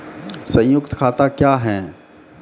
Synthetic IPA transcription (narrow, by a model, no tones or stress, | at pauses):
sɐ̃jʊkt̪kʰaːt̪akjaːɦɛː